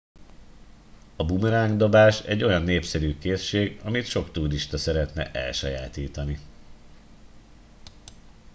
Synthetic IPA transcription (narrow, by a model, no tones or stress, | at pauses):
ɒbumɛɾaːŋɡd̪o̞baːʃɛ̰ɟːo̞jɒnːeːpsɛɾyːkeːsʃeːɡɒmit̪ʃo̞kt̪uːdiʃt̪ɒsɛɾɛt̪nɛ̰ʔɛ̰lʃɒja̰ːt̪iːt̪ɒni